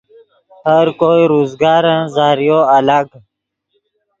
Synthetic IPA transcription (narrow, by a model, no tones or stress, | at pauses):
həɾkoːiɾuːzɡɑːɾə̃zaːɾijoːɐlaɡ